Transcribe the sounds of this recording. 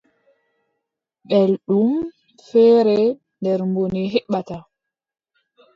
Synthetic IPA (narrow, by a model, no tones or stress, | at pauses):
ɓɛlɗum | fɛːɾɛ | ndɛɾmboniɦɛɓːata